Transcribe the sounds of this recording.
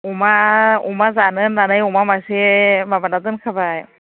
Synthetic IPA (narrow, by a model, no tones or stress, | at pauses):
umaṵmazanɯnːanajomamasimabanat̪ɯnkʰabaj